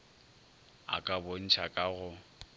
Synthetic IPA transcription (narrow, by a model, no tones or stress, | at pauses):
a̰kʼabon̩t͡ʃʰakʼaɣʊ